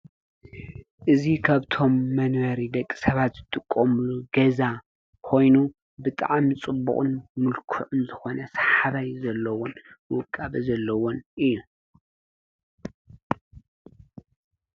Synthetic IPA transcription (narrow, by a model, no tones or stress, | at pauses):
ʔɨzikʰaβt̪ʰo̞mːɐnwɐɾid̪ɐkʼːi̥sɐβat̪z̥ɨt̪ʼɨkʼːomɨluɡɐza | kʰo̞jnu | bɨt̪ʼa̰ʕmit͡sʼɨbːṵχʼɨ̰nmɨlkʰuʕʊnzɨxo̞nɐsḁħaβajzɐlːɐwonwɨkʼːaβizɐlːɐwo̞nɨjːu